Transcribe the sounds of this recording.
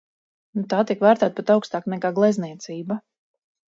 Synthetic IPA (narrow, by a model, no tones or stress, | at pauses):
nut̪aːt̪iɛkvæːɾt̪æːt̪̚pɛt̪awkst̪aːknɛkaːɡlˠɛzniɛt̪siːba